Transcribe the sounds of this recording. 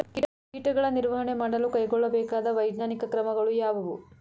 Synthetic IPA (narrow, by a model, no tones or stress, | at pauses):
ki | kiːʈɐɡɐɭɐniɾʋɐɦɐɳe̞maːɽɐlukɐjɡɔɭːɐbɛːkaːd̪ɐʋɐjd̪naːnikɐkɾɐmɐɡɐɭujaːʋɐʋu